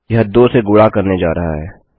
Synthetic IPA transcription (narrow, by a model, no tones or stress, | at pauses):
ɦɐd̪oseɡʊɽakɐɾned͡ʒaːɾɐɦa̰ɦɛː